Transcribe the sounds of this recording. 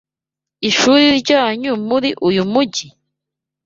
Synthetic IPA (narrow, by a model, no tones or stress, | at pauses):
iʃuːɾiɾɟaːɲumuɾiʔujumuɟi